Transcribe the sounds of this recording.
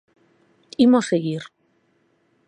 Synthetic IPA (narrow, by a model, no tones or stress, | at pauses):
imoseɣiɾ